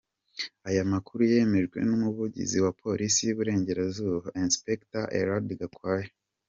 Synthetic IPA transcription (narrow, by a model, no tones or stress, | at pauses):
ajamakuɾuje̞me̞ʒɡwe̞̰numuβuɟḭziwapʰo̞ɾʔisijuβuɾe̞ːɲɟe̞ɾazuːβainspektaʔḛɾadɡakwaːje